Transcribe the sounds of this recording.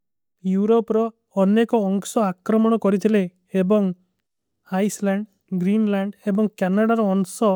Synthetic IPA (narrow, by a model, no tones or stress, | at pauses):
juɾopɾɔː | nekɔːŋsɔakɾɔmɔɽ̃ɔkɔɾit̪ʰileː | bɔŋ | ajslaɳɖ | ɡɾinlaɳɖebɔŋkanaɽaɾɔːŋsɔ